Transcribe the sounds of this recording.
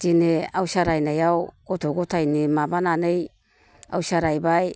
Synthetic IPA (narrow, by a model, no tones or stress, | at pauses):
d͡ʒineawsaɾajnajawɡ̥otoɡotajnemabananej | a̰wsaɾajbaj